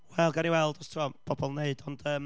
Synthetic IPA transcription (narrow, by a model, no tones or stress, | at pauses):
wɛlˠɡaniwɛlˠdɔstʰːɔb̥ʰɔbɔlˠneɨdɔnd̥əːm